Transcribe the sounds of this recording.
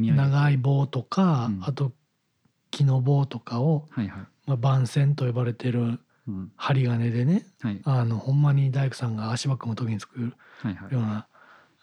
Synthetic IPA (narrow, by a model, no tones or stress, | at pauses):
naɡaibo̞ːt̪o̞kaːt̪o̞ | kʲʰino̞bo̞ːt̪o̞kao̞ | mabãɰ̃sẽ̞nt̪o̞jobaɾe̞t̪e̞ɾɯ̟ | haɾʲiɡane̞d̪e̞ne̞ano̞hõ̞mːaɲ̟id̪aikɯ̟sãŋɡaːɕibakɯ̟mot̪okʲiɲit͡sɨ̥kɯɾɯ | jo̞ːna